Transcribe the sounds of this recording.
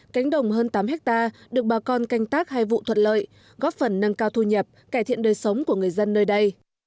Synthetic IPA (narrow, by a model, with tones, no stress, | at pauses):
ka˨˦jŋ̟ɗə˨˩wŋ͡mhəː˧nt̪aː˨˦mhɛ˦˥k̚t̪aː˧ɗɨ˨˩ək̚ɓaː˨˩kɔ˧nka˧jŋ̟t̪aː˦˥k̚ha˧jvṵ˧˨t̪ʰwə˧˨n̚lə̰ː˧˨j | ɣɔ˦˥p̚fə˧˩nːə˧nkaː˧wt̪ʰu˧ɲə˨˩p̚kaː˧˩jt̪ʰḭ˧˨ənɗəː˨˩jsə˨˦wŋ͡mku˧˩əŋɨ˨˩əjzə˧nːəː˧jɗə˧j